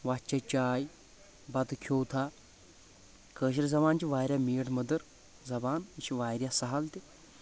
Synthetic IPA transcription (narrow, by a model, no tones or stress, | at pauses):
ʋat͡ʃat͡ʃaːj | bɐt̪kʲʰoːt̪ʰa | kəːɕ̬iɾzɐbaːnt͡ʃiʋaːjɾʲjameːʈmɐd̪əɾ | zɐbaːniʃiʋaːjɾʲjasɐɦalt̪i